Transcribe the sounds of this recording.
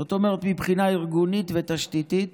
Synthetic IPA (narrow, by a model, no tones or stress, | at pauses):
ot̪omeʁet̪mipχinaiʁɡunit̪vet̪aʃt̪it̪it̪